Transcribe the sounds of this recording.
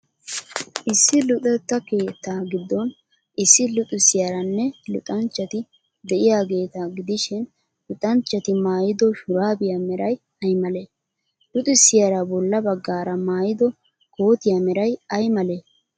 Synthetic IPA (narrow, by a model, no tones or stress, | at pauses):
ʔɪsːɪlʊt̪ʼɛt̪ːɐkeːt̪ːaːɡɪd̪ːɔn | ʔɪsːɪlʊt̪ʼɪsɪjɐɾɐnːɛlʊ̰t̪ʼɐnt͡ʃːɐt̪ɪ | d̪ɛʔɪjaːɡe̞ːt̪aːɡɪd̪ɪʃɪn | lʊt̪ʼɐnt͡ʃːɐt̪ɪmaːjɪd̪ɔʃʊɾaːbɪjɐmɛɾɐj | ɐjmɐle | lʊt̪ʼɪsːɪjɐɾɐbɔlːɐbɐɡːaːɾɐmaːjɪd̪ɔ | ko̞ːt̪ɪjamɛɾɐjɐjmɐle